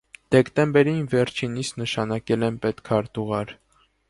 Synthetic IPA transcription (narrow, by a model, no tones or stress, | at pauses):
d̪̥ɛkt̪ɛmbɛɾinvɛɾt͡ʃʰinist̪nəʃɑnɑkɛlɛnpɛt̪kʰɑɾt̪uʁɑɾ